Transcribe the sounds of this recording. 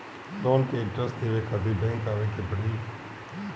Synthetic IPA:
lɔːnkeːɪ̃nʈɾəsd̪eːʋeːkʰəd̪iːbɛ̃ːŋkaːʋeːkebəɽiː

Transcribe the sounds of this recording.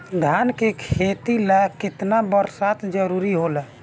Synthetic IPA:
d̪ʱankekʰet̪ilɛkɪt̪nabəɾsat̪d͡ʒəɾuɾiɦolɛ

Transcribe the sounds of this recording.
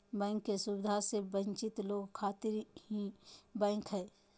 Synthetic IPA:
bɛ̃ːŋkːesʊbɪd̪ʱasebə̃nt͡ʃɪt̪loːɡkʰaːt̪ɪɾɦĩbɛ̃ːkɦɛː

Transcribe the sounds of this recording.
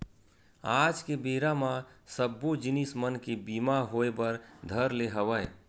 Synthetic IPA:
aːd͡ʒkebeːɾamãsəbːod͡ʒɪnismənkebiːmaɦoːebəɾd̪ʱəɾleɦəʋəe

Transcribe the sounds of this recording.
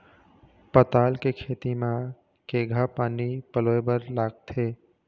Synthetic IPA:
pət̪aːlkekʰeːt̪imã | keɡʱapaːnipəloːebəɾlaːɡ̚t̪ʰeː

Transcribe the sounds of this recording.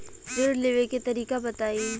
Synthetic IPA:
bɪɖleːʋeket̪ɐɾiːkabɐt̪aːiː

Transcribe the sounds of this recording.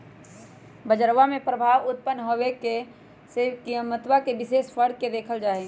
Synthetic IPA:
bəd͡ʒəɾʋamẽpɾəbʱaːʋʊt̪̚pənːɦoʋeke | sekijəmət̪wakebɪʃeːʃfəɾd̪̚ked̪eːkʰəld͡ʒaːe

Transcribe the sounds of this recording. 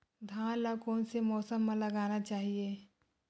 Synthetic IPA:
d̪ʱãːnlakɔːnsemɔːsəmːãlɐɡaːnat͡ʃaːɦieː

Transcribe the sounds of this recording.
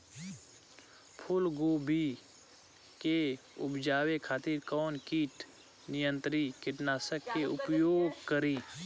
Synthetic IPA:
pʰʊlɡoːbi | ke | ʊpd͡ʒaːwekʰaːt̪iːɾkɔːnkiːʈ | nɪjə̃nt̪ɾikɪʈnaːsəkːeʊpjoːɡkəɾiː

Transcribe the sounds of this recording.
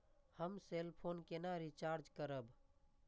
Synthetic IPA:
həmselpʰoːnkenaɾit͡ʃaɾd͡ʒkəɾəb

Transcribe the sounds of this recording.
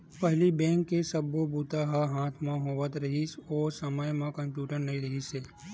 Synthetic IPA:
pəɦlibɛ̃ːŋkːesəbːobut̪aɦaɦaːt̪ʰmãɦoːʋət̪ɾɐɦisɔːsəməjmãkɐ̃mpjuːʈəɾnɐĩɾɐɦiseː

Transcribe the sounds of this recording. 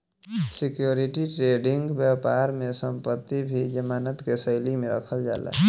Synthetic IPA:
sɪkjoːɾɪʈiʈɾeːɖɪ̃ŋɡbjaːpaːɾmẽsə̃mpət̪ːibʱid͡ʒəmaːnət̪kesəɪlimẽɾə̰kʰəld͡ʒa̰ːlɛ̰ː

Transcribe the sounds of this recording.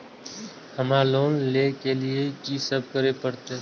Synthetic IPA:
həmaloːnleːkelɪet͡ʃiːsəb̚kəɾepəɾt̪eː

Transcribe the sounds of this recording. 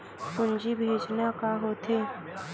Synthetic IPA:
pʊnd͡ʒibʱeːd͡ʒnakaɦoːt̪ʰeː

